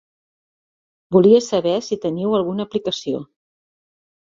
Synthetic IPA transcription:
buliəsəβɛsit̪əniwəlˠɣunəːplikəsio̰

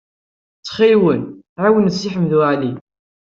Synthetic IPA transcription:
t͡sːχilwən | ʕawənsːiħəmːðuʕli

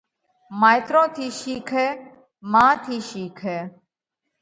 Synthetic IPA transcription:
maːɪt̪ɾõːt̪ʰiːʃiːkʰeː | mãːt̪ʰiːʃiːkʰeː

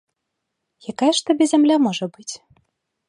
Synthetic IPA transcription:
jakajɛʂt̪abʲɛzʲamlʲamɔʐɐbɨt͡sʲ

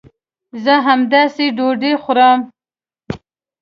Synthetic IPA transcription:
zəɦamd̪ɑseɖoɖexʊɾəm

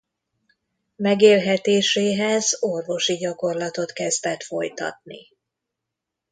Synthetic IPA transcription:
mɛɡeːlɦɛt̪eːʃeːɦɛzo̞rvo̞ʃiɟɒko̞rlɒt̪o̞t̪kɛzd̪ɛt̪fo̞jt̪ɒ̰t̪̚nḭ

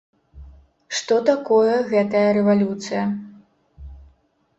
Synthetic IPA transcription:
ʂt̪ɔt̪akɔjɐɣɛt̪ɐjɐɾɛvalʲut̪sɨjɐ

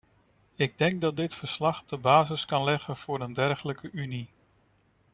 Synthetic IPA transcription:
ɪɡ̚dɛŋk̚dɑt̚dɪtfəɹslɑχd̥əbaːzɪskɑnlɛχənv̥ʊːɾəndɛɹχələkəʔyni

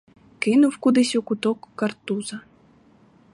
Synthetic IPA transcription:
kɪnuwkud̪ɪsʲukut̪ɔkːɐrt̪uzɐ

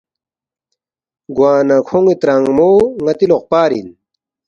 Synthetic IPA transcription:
ɡwaːnɐkʰoŋit̪ɾaŋmoːŋɐt̪iloq̚paːɾḭn

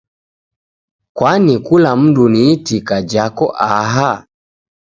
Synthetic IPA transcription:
kwanikulam̩duniːtikad͡ʒakɔʔaɦa

